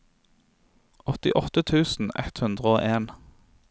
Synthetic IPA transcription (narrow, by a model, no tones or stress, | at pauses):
ɔt̪ɪʔɔt̪ət̪ʰʉːsn̩ɛ̰t̪hʉnd̪ʁəoːʔeːn